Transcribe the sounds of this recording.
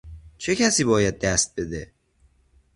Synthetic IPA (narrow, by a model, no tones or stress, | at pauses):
t͡ʃʰe̞cʲʰæsiːbɒːjæd̪̚ːæst̪̚be̞d̪e